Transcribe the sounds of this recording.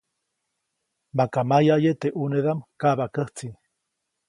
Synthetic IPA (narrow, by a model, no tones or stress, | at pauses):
makamajajet̪eʔuneðamkaβakəht͡si